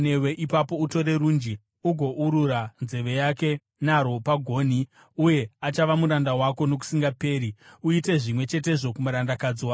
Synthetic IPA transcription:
ne̞we̞ʔipapo̞uto̞ɾe̞ɾund͡ʒi | uɡʱo̞ʔuɾuɾanze̞ʋe̞jake̞ | naɾo̞paɡʱo̞ːni | uje̞at͡ʃaʋamuɾandawako̞no̞k̬u̥siŋɡape̞ːɾiuite̞ʐimwe̞t͡ʃe̞t̬e̞ʐo̞kumaɾandakad͡ziwaː

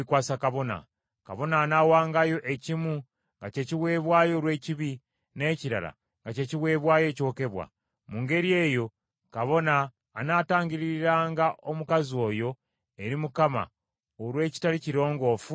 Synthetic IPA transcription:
ikwaːsakaβo̞na̰ | ka̰βo̞naːnawaːŋɡajo̞ʔecimu | ŋɡace̞ciwe̞ːβwaːjo̞ːɾwe̞ːciβi | ne̞ːciɾa̰la̰ | ŋɡace̞ːciwe̞ːβwaːje̞ːco̞ːke̞βwa̰ | muŋɡe̞ɾie̞ːjo̞ | kaβo̞naː | naːtaːŋɡiɾiɾaːŋɡao̞mukazio̞ːjo̞ | eɾimukama̰ | oɾwe̞ːci̥taɾiciɾo̞ːŋɡo̞ːfu

